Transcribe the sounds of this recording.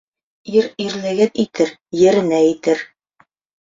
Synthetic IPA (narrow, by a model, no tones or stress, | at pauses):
iɾiɾlɘ̆ɡɘnit̪ɘɾjɘ̆ɾɘ̆næit̪ɘɾ